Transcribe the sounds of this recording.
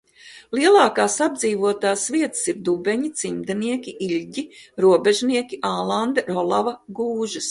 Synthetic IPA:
lˠiɛlˠɑːkaːsab̚d̪ziːvuɔt̪aːsviɛt̪siɾd̪ubɛɲit̪simd̪ɛniɛkʲiʔiʎʲɟiɾuɔbʲeʒniɛkʲiʔaːlˠand̪ɾɔlˠavɐɡuːʒɐs

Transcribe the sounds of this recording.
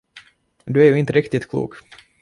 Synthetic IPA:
d̪ɵæɾjʉɪnt̪əɾɪkt̪ɪt̪kʰlṵːk

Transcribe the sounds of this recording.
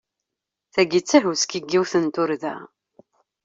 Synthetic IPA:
θæɡit͡sːæɦuskiɡːiwθənt̪ʊɾðæ̰

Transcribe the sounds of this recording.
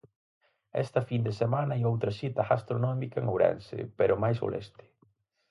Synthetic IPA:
ɛ̰st̪ɐfind̪esemanɐiowt̪ɾɐsit̪ɐɣast̪ɾonɔmikɐeŋowɾɛ̰nsɪ̰peɾomajso̰lʔɛ̰st̪ɪ̥

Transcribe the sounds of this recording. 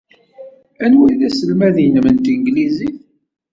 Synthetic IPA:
ænwiðæsəlmæðinmənt̪iŋɡliziθ

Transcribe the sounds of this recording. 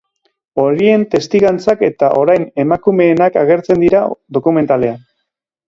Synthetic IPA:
o̞ɾie̞nt̪e̞st̪iɣant͡sake̞t̪aʔo̞ɾajne̞makume̞ːnakaɣe̞ɾt͡se̞nd̪iɾaðo̞kume̞nt̪ale̞an

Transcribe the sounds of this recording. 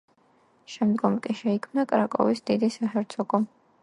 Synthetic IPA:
ʃɛmd̪ɡɔmkʼiʃɛikʰmnakʼɾakʼɔ̰visd̪id̪isahɛɾt̪ʰɔɡɔ

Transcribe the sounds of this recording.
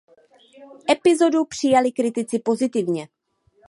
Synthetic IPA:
ʔɛpɪzo̞dupr̝̥ɪjalɪkɾɪt̪ɪt͡sɪpo̞zɪt̪ɪvɲɛ

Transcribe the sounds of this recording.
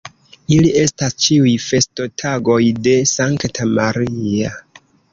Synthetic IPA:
ilie̞stast͡ʃiujfe̞sto̞tʰaɡo̞jde̞saŋktʰamaɾia

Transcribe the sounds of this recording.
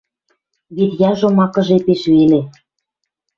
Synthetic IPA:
βet̪jɑʒomɑkɤ̆ʒepeʃβele

